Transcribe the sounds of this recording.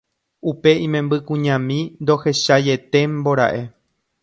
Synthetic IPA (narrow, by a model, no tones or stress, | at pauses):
upe̞ĩmẽ̞mbɨkũɲãmĩnd̪o̞he̞ʃaje̞t̪e̞mbo̞ɾa̰ʔe̞